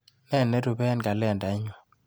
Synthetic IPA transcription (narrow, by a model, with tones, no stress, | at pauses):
nɛ˦˨nːɛ˦ɾu˨bɛ˦nka˨lɛ˦˨nda˨˦ɲɔ˨